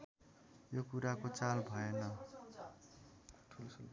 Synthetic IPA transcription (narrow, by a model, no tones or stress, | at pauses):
jokuɾakot͡salbʱʌenʌ | tʰul